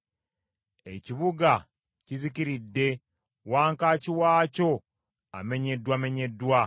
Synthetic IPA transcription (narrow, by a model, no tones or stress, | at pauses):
e̞ciβuɡa | ciziciɾidːe̞ | waːŋkaːciwaːco̞ | a̰me̞ɲe̞dwame̞ɲe̞dːwa